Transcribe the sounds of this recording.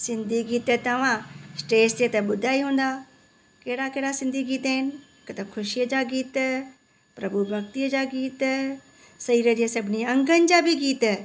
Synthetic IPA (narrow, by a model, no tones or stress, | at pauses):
sɪ̃nd̪ʱiɡiːt̪t̪ɐʋ̤ãsʈeːst͡ɕet̪ɐɓʊd̪ʱaːiɦũːn̆d̪a | keːɽakeɦɽasɪ̃nd̪ʱiɡiːt̪aɦɪnɪ̆ɪkt̪ɐkʰʊʃijəd͡ʑaɡiːt̪ | pɾɐbʱubʱɐkt̪iəd͡ʑaɡiːt̪ | sɐiːɾəd͡ʑiəsɐbʱɪniɐ̃ŋɡənɪ̆d͡ʑabʱiɡiːt̪